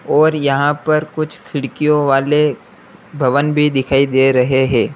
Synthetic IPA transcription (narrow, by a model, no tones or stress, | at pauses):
ɔːɾjɐɦãpɐɾkʊt͡ʃʰkʰɪɽkijõʋaːle | bʱɐʋənbʱid̪ɪkʰaːid̪eɾɐɦeɦɛ̃ː